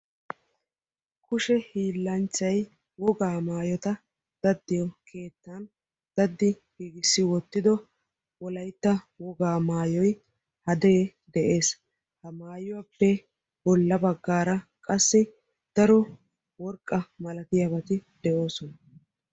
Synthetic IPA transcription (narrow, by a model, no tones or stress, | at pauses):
kʊʃɛhiːlːɐnt͡ʃːɐj | wɔɡaːmaːjɔt̪ɐ | d̪̥ɐd̪ːɪjɔkʰe̞ːt̪ːan | d̪̥ɐd̪ːɪ | ɡ̥iːɡɪsːɪwɔt̪ːɪd̪ɔ | wɔlɐjt̪ːɐ | wɔɡaːmaːjɔj | hɐd̪eː | d̪ɛʔe̞ːs | hɐmaːjʊwɐpːɛ | bɔlːɐbɐɡːaːɾɐkʼɐsːɪ | d̪̥ɐɾɔ | wɔɾkʼːɐmɐlɐt̪ɪjɐbɐt̪ɪd̪̥ɛʔo̞ːsɔnɐ